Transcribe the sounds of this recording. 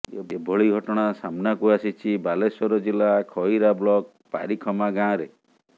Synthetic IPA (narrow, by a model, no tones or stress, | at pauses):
eebʱɔɭiɡʱɔʈɔɽ̃asamnakuasit͡ʃʰibalesɔɾɔd͡ʒilakʰɔiɾablɔk̚ | pa̰ɾikʰɔmaɡãːɔ̃ɾe